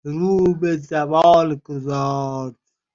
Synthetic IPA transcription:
ɾuːbezabɔːlɡozɔːɾd̪

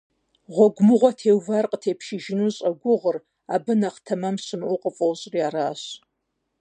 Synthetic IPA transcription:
ʁʷɔɡʷmɨʁʷɐtʰeːwvarqʼtʰepʰʃɪʒɪnuɕʼɐɡʷʊʁər | abɨnaχtʰɐmamsɨmʔʷʊqʼəfʼowɕʼriaːɾaːɕ

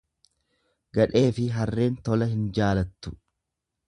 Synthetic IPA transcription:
ɡɐᶑe̞ːfɪɦɐrːe̞ːnt̪ɔlɐɦɪnd͡ʒaːlɐt̪ːʊ̥

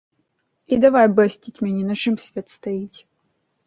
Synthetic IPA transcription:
id̪ɐvajbɛsʲt̪ʲitʲmʲɛnʲinɐʂɨmsʲvʲet̪st̪ɐitʲ

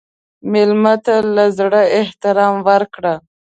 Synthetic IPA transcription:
mɪlmat̪alazɽəɪht̪ɪɾɑmwəɾkɽa

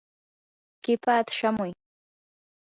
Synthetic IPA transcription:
kɪpʰaːt̪ʃamʊj

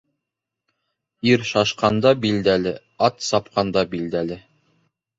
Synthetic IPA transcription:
iɾʃɑʃqɑnd̪ɑbild̪ælɘ | ɑt̪sɑp̚qɑnd̪ɑbild̪ælɘ

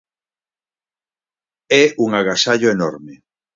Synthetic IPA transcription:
ɛuŋaɣasaʎoenɔɾme

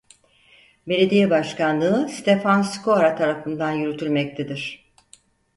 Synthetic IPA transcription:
be̞lʲe̞d̪ijɛbaʃkanlˠɯɯst̪ʰe̞fanskʰoaɾat̪ʰaɾafɯnd̪anjyɾyt̪ʰyɾʲmɛc̚t̪ʰed̪iɾ̝̥

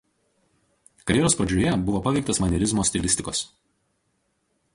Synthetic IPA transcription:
kɐɾʲjɛɾoːspɾɐd͡ʒʲʊjɛbʊʋoːpɐʋʲɛɪk̚t̪ɐsmɐnʲɛɾʲɪzmoːsʲt̪ʲɪlʲɪsʲt̪ʲɪkoːs

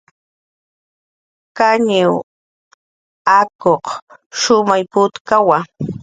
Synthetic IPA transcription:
kaɲɪw | akoqʃʊmajpʊt̪kawa

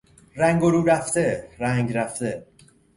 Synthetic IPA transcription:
ræŋɡoɾuːɾæft̪eɾæŋɡɾæft̪e

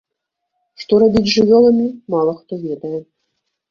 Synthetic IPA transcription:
ʂt̪ɔɾabʲid͡zʲʐɨvʲɔlˠɐmʲimalˠɐxt̪ɔvʲɛd̪ɐjɛ

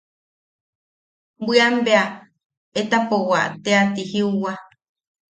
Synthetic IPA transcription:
bɨambea | et̪apowaʔt̪eat̪ihiuwa

